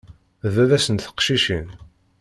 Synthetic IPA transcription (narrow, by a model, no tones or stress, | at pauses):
vævæsənt̪θə̥qʃiʃin